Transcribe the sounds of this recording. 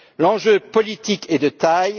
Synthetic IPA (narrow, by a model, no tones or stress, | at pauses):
lɑ̃ʒøpɔlit̪iked̪ət̪aj